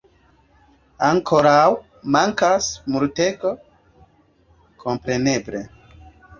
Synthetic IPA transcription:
aŋkʰo̞ɾaw | maŋkasmuɾte̞ɡo | kʰo̞mpɾe̞ne̞ble̞̰

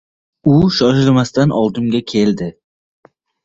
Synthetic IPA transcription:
ʊʃɒʃɪlmast̪anʔɒlˠd̪ɪmɡʲakʲʰe̞ld̪ɪ

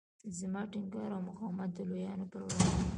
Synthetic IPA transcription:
zəmɑʈɪŋɡɑɾawmʊxɑwmat̪̚d̪əlojɑnopəɾwɽɑ

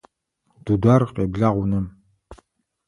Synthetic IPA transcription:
d̥udarqʼeːbɮaʁʷʊnɨm

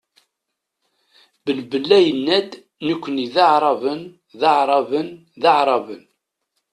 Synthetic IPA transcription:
bəlbəlːæjənːæd̪ | nəkʷːəniðɑʕɾˤɑvən | ðɑʕɾˤɑvən | ðɑʕɾˤɑvən

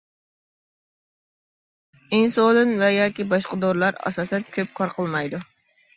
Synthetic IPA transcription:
insolɨnvɛjɑːkʲibɑʃqɑd̪oɾlˠɑɾɑ̰sɑːsɛnkʲʰøp̚kʰɑɾqʰəlˠmɑjd̪u

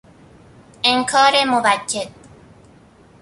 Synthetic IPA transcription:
eŋkʰɒːɾemobæcːed̪̥̚

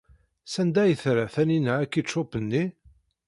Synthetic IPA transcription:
sænd̪æjəθɾæθæninəækːit͡ʃːopənːi

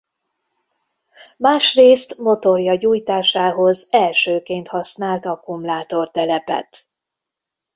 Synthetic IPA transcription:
maːʃreːst̪mo̞t̪o̞rjɒɟuːjt̪aːʃaːɦo̞zɛlʃøːkeːnt̪hɒsnaːlt̪ɒkumlaːt̪o̞rt̪ɛlɛpɛ̰t̪

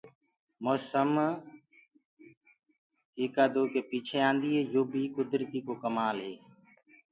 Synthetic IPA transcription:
moːsəm | eːkaːd̪oːkeːpiːt͡ʃʰeːãːnd̪iːɦeːjoːbʱiːkʊd̪ɾət̪iːkoːkəmaːlɦeː

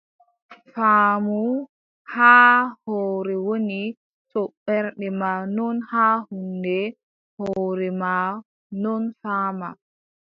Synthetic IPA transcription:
faːmu | haːhɔːɾɛwoni | sɔɓɛɾɗɛmanɔnhaːhundɛ | hɔːɾɛma | nɔnfaːma

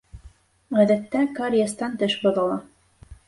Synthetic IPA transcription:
ʁæðæt̪ːækɑɾʲijast̪ɑnt̪ɘʃbŏðɤ̆lˠɑ

